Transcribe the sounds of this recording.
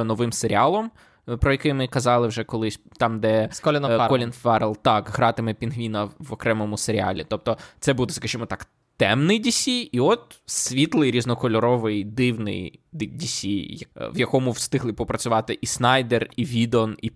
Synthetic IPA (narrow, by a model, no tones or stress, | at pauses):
nɔʋɪmseɾʲɪɑlˠɔm | pɾɔjɐkɪmɪkɐzɑlˠɪwʒɛkɔlˠɪsʲt̪ɑmd̪ɛklʲnkɔlʲinfɛɾlˠt̪ɑkɦɾɑt̪ɪmɛpʲinɦʋʲinɐʋɔkɾɛmɔmʊseɾʲɪɑ̰lʲḭt̪ɔp̚t̪ɔt̪sɛbud̪ɛskɐʒimɔt̪ɑk | t̪ɛmnɪjdʲisʲijiɔt̪̚sʲʋʲit̪lˠɪjɾʲiznɔkɔlʲɔɾɔʋɪjd̪ɪwnɪ̰jd̪dʲisʲiɐʋwjɐkɔmʊwst̪ɪɦlˠɨpɔpɾɐt͡sʲʊʋɑt̪ɪʔisnɑjd̪eriʋʲid̪ɔni